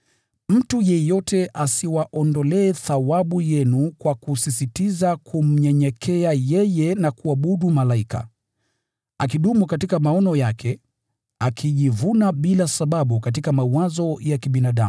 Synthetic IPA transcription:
m̩tujɛjɔtɛʔasiwaʔɔndɔlɛːθawaɓujɛnukwakusisitizakʰum̩ɲɛɲɛkʰɛajɛjɛnakuaɓuɗumalaika̰ | akiɗumukatikamaɔnɔjakʰɛ | akʰiʄivunaɓilasaɓaɓukat̬ikamauwazɔjakiɓinaɗa̰mu

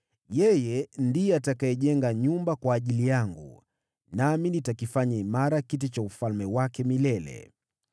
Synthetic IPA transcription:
jɛjɛndijɛatakaɛʄɛŋɡaɲumbakwaːʄilijaŋɡṵ | naminitakifaɲaimaɾakitit͡ʃaufalmɛwakɛmilɛlɛ̰

